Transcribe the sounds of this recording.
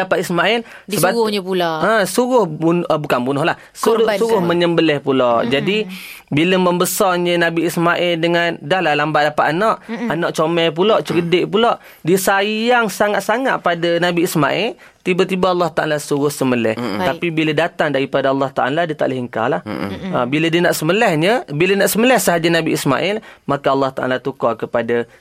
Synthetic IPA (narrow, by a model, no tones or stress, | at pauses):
dapat̪ismaʔɪl | səbaʊɲəpuloasuɾʊhunbukanbunʊhlah | susuɾʊhməɲəmbəlɛhpulɔʔd͡ʒadibiləməmbəsɔrɲənabiismaʔɪldəŋandahlahlambat̪ʔ̚dapat̪̚anɔʔanɔʔt͡ʃomɛjp̬ulɔʔt͡ʃəɾədɪʔpulɔʔ | disajaŋsaŋat̪̚saŋat̪̚padanabiisma̰ʔɪl | t̪ibat̪ibaɑlːɑht̪aʔa̰lasuɾʊhsəməlɛ̰ht̪apibilədat̪aŋdaɾipadaɑlːɑht̪aʔaladiət̪a̰ʔləɦəŋka̰lahəbilədiənaʔsəməlɛhɲəbilənaʔsəməlɛhsəɦad͡ʒanabiisma̰ʔɪlmakaɑlːɑht̪a̰ʔa̰lat̪ukɔkəpada